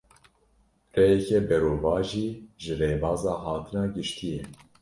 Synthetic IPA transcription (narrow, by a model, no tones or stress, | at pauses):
rɛjɛkɛbɛɾoːvɑːʒiːʒɨreːbɑːzɑːɦɑːt̪ʰɨnɑːɡɨʃt̪ʰijɛ